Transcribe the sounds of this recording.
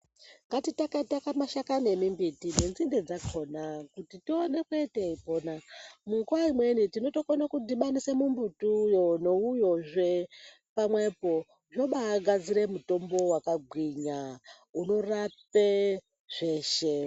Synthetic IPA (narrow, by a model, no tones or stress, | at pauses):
ŋɡatitakaitakamaʃakane̞mimbitine̞nzinde̞d͡zakʰo̞nakutitione̞kueteipo̞namuŋɡuwaimwe̞nitino̞to̞konakudiɓanisemumbutujonoujoʐe | pamwe̞po̞ | ʐo̞ɓaːɡʱad͡ziɾe̞muto̞mbo̞wakaɡʱwiɲa | uno̞rap̚e | ʐ̥e̞ːʃe